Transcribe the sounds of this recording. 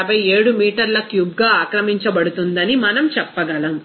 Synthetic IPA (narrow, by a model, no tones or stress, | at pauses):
ɐbɐje̞ːɽumiːʈɐɾlɐkjub̚ɡaːaːkɾɐmiɲt͡ʃɐbɐɽut̪und̪ɐnimɐnɐmt͡ʃɛpːɐɡɐlɐm